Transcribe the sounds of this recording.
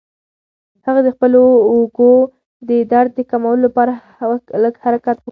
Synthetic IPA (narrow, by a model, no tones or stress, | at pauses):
haɣad̪əxpəloːɡo | d̪əd̪aɾd̪̚d̪əkamawəlolapɑɾa | ləɡhaɾakat̪